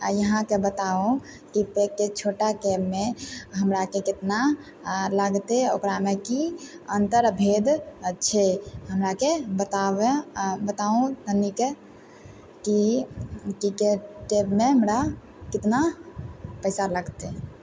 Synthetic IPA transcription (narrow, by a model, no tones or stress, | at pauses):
a̰jəɦãkebət̪aũ | kipekːet͡ʃʰoʈakebmeɦəmɾakekit̪na | ləɡt̪eokɾamekiənt̪əɾbʱed̪t͡ʃʰɛɦəmɾakebət̪abebət̪aũt̪ənike | ki | ʈikeʈkebmeɦəmɾa | kit̪na | pəɪsaləɡt̪e